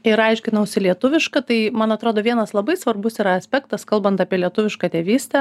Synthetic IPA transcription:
ɪɾɐɪʃʲkʲɪnɐʊsʲɪlʲiɛt̪ʊʋʲɪʃkɐt̪ɐɪmɐnɐt̪ɾoːd̪oːʋʲiɛnɐslˠɐbɐɪsʋɐrbʊsiːɾɐɐsʲpʲækt̪ɐskɐlˠbɐnt̪ɑːpʲiɛlʲiɛt̪ʊʋʲɪʃkɑːt̪ʲeːʋʲiːsʲt̪ʲɛ

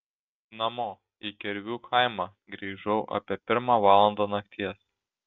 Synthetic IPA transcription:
nɐmoː | ikʲɛɾʲʋʲuːkʰaɪmɑː | ɡɾʲiːʒɔʊʔɐ̰pʲiɛpʲɪɾmɑːʋɑːlˠɐnd̪oːnɐkt̪ʲʰiɛs

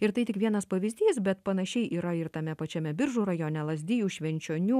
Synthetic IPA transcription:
ɪɾt̪ɐɪt̪ʲɪkʋʲiɛnɐspɐʋʲɪzʲd̪ʲiːsbʲɛt̪pɐnɐʃʲɛɪʔiːɾɐɪɾt̪ɐmʲɛpɐt͡ʃʲɛmʲɛbʲɪɾʒuːɾɐjoːnʲɛlˠɐzʲd̪ʲɪjuːʃʲʋʲɛnʲt͡ʃʲoːnʲuː

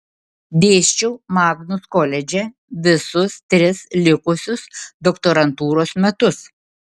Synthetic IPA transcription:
bʲeːʃʲt͡ʃʲuːmɑːɡnʊskɔlʲɛd͡ʒʲɛ | ʋʲɪsʊst̪ʲɾʲɪslʲɪkʊsʲʊsd̪ɔkt̪oːɾɐnt̪uːɾoːsmʲɛt̪ʊs

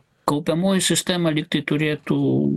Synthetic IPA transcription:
kɐʊpʲɛmoːjɪsʲɪsʲt̪ʲæːmɐlʲik̚t̪ɐɪt̪ʊɾʲeːt̪uː

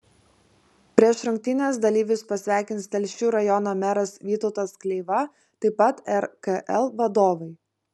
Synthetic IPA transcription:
pʲɾʲiɛʃɾʊŋʲk̚ʲt̪ʲɪnʲes̬d̪ɐlʲiːʋʲɪspɐsʲʋʲæˑɪkʲɪnt̪st̪ʲɛlʲʃʲuːɾɐjɔnoːmʲɛɾɐsʋʲiːt̪ɔʊt̪ɐsklʲɛɪʋɐ | t̪ɐɪpɐt̪ɛɾkɐʔɛlˠʋɐd̪oːʋɐɪ

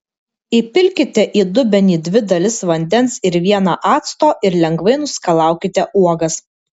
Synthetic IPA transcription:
iːˑpʲɪlʲkʲɪt̪ʲɛʔiːd̪ʊbʲɛnʲiːd̪ʲʋʲɪd̪ɐlʲɪsʋɐnʲd̪ʲɛnsɪɾʋʲiɛnɑʔɑːt̪st̪oːʔɪɾlʲɛŋɡʋɐɪnʊsʲkɐlˠɑˑʊkʲɪt̪ʲɛʔuɔɡɐs

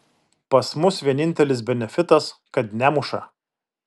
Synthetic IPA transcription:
pɐsmʊsʋʲiɛnʲɪnʲt̪ʲɛlʲɪs̬bʲɛnʲɛfʲɪt̪ɐskɐt̪nʲæmʊʃɐ̰

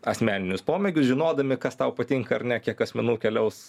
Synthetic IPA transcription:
ɐsʲmʲæːnʲɪnʲʊspoːmʲɛɡʲʊsʒʲɪnoːd̪ɐmʲɪkɐst̪ɐʊpɐt̪ʲɪŋkɐɐɾnʲɛkʲiɛkɐsʲmʲɛnuːkʲɛlʲɛʊs

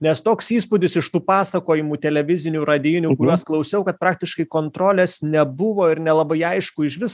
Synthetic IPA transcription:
nʲɛst̪oːksiːspʊd̪ʲɪsɪʃt̪uːpɑːsɐkoːjɪmuːt̪ʲɛlʲɛʋʲɪzʲɪnʲuːɾɐd̪ʲiːnʲuːkʊɾʲuɔsklˠɐʊsʲɛʊkɐt̪̚pɾɑːk̚t̪ʲɪʃkɐɪkoːnt̪ɾoːlʲeːsnʲɛbʊʋoːɪɾnʲɛlˠɐbɐɪɐɪʃkʊɪʃʋʲɪs

